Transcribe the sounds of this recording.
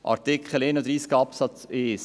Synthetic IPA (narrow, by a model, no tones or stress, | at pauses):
ʔɑ̰ɾtɪkχəleːnɔd̪ɾiːsɡɑpsɑt͡ses